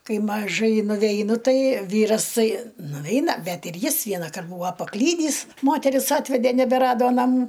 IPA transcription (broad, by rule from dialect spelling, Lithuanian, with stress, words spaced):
ˈkɐɪ mɐˈʒɐɪ nʊʋʲɛɪˈnʊ ˈtɐɪ ˈʋʲiːrɐs ˈtɐɪ nʊˈʋʲɛɪnɐ ˈbʲɛt ɪr ˈjɪs ˈʋʲiɛnɐkɐrt ˈbuːɐ pɐˈklʲiːdʲiːs ˈmoːtʲɛrʲɪs ˈɑːtʲʋʲɛdʲeː nʲɛbʲɛˈrɑːdoː nɐˈmuː